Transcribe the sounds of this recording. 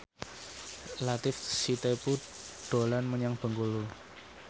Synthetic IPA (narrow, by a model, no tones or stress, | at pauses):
lat̪ɪfsit̪epu | ɖ̪̥o̤lanməɲaŋb̥ə̤ŋɡulu